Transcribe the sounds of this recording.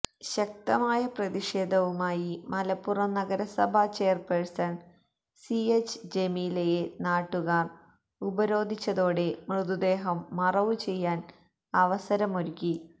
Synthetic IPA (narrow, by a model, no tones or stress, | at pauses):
ɕɐk̚t̪ɐmaːjɐprɐðiʂe̞ːd̪ʱɐʋumaːjimɐlɐpːurɐmnɐɡɐɾɐsɐbʱɐt͡ɕe̞ːrpeɻsɐn | siet͡ɕːd͡ʑemilejenaːʈːuɣaːr | ubɐɾo̞ːd̪ʱit͡ɕːɐðo̞ːɽe̞mrɨd̪ud̪e̞ːɦɐmːɐrɐʋut͡ɕe̞jːaːn | ɐʋɐsɐɾɐmoɾukʲːi